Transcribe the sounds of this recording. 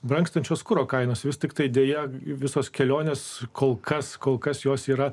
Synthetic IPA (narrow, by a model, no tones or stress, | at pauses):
bɾɐŋkst̪ɐnʲt͡ʃʲoːskʊɾoːkɐɪnoːsʋʲɪst̪ʲɪkt̪ɐɪd̪ʲeːjɛʋʲɪsoːskʲɛlʲoːnʲeːskʰoːlˠkʰɐskoːlˠkɐsjoːsiːɾɐ